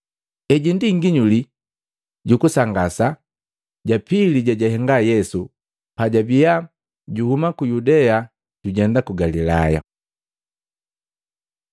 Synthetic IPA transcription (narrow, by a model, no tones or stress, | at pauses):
ɛɟindiŋɡiɲuli | ɟukusaŋɡasa | ɟapiliɟaɟaɦɛŋɡajɛsu | paɟabija | ɟuhumakujudɛa | ɟ̥uɟɛndakuɡalilaja̰